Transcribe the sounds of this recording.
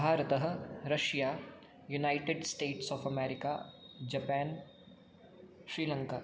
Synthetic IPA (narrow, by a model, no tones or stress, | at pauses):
bʱaːɾət̪əɦə̆ɾɐʃjaː | junaːɪʈeɖsʈeːʈsɔːfɐmɛːɾɪkaːd͡ʒɐpɛːn | ʃɾiːlə̃ŋkaː